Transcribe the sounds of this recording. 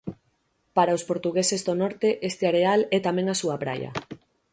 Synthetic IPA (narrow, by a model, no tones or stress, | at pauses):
paɾaospoɾt̪uɣesezðonɔɾt̪eʔest̪eaɾealɛt̪amẽŋasuapɾa̰jɐ̰